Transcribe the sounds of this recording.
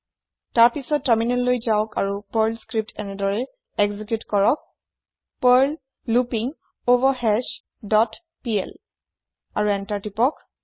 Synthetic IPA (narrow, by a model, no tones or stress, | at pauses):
taɹpisɔtːaɹminɛllojzaʊka̰ɹupaɹlskɹip̚tɛnɛdɔɹɛ | ɛɡzikjutkɔɹɔk̚ | paɹlː | upiŋ | ovɔhɛs | dɔt | piɛ̰l | aɹuɛntaɹtipɔk